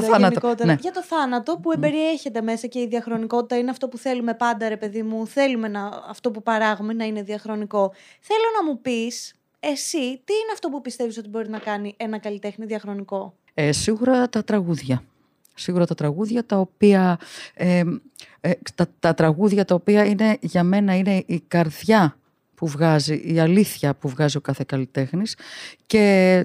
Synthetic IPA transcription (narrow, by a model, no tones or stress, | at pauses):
ɐnɐniko̞t̪eneʝɐt̪o̞θɐnɐt̪o̞pue̞be̞ɾie̞çe̞t̪e̞me̞sɐce̞iðiɐxɾo̞niko̞t̪it̪ɐineɐft̪o̞puθe̞lume̞pɐnd̪ɐɾe̞pe̞ðimuθe̞lume̞nɐ̰ːft̪o̞pupɐɾɐɣumenɐine̞ðiɐxɾo̞niko̞ | θe̞lo̞nɐmupis | e̞sit̪iineɐft̪o̞pupist̪e̞viso̞t̪ibo̞ɾinɐkɐniʔenɐkɐlit̪e̞xniðiɐxɾo̞niko̞ | esiɣuɾɐt̪ɐt̪ɾɐɣuðʝɐ | siɣuɾɐt̪ɐt̪ɾɐɣuðʝɐt̪ɐo̞piɐe | t̪ɐt̪ɐt̪ɾɐɣuðʝɐt̪ɐo̞piɐine̞ʝɐme̞nɐine̞ʔikɐɾðʝɐ | puvɣɐziʔiɐliθçɐpuvɣɐzio̞kɐθe̞kɐlit̪e̞xnisce̞